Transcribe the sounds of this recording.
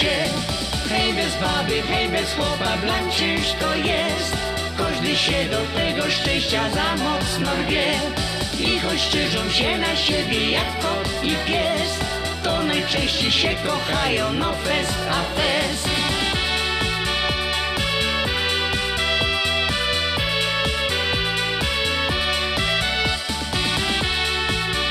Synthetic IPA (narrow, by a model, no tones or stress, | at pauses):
ɛ | xɛjvɛzbabɨxɛjvɛswɔbablant͡ɕɛjuʂt̪ɔjɛ | st̪ | kɔʐd̪ɨɕɛd̪ɔt̪fɛɡɔʂt͡ʂɛ̃w̃ɕt͡ɕazamɔt̪snɔvʲɛ | ixɔɕt͡ʂɛʐuwɕɛnaɕebʲjɛjakt̪ɔ | ipʲjɛst̪ | t̪ɔnajt͡ʂɛ̃ɕt͡ɕejɕɛkɔxajɔ̃wnɔpɛs | afɛs